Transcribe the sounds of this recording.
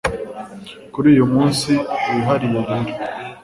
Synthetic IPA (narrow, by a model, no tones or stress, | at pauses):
kuɾiːjumuːnsiuuɦaɾijeɾiɾi